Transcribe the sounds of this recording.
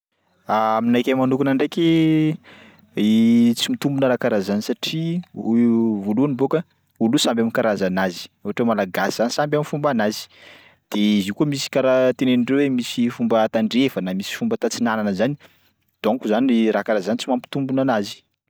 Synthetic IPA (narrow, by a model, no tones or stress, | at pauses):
aaminajkʲamanukunaɳɖ͡ʐekʲi | it͡simit̪umbunəɾakaɾazanisaʈ͡ʂi | voluanibokə | volusambaminkaɾazanazi̥ewɦaʈ͡ʂwemalaɡasiz̥anisambjaminfumbanazi̥ | d̪̥eizikuəmisi̥kaɾat̪eneniɳɖ͡ʐewemisifumbət̪aɳɖ͡ʐevənamisi̥fumbət̪at͡sinananəzani | d̪̥oŋkuzanɾakaɾazanit͡simampi̥t̪umbunanazi̥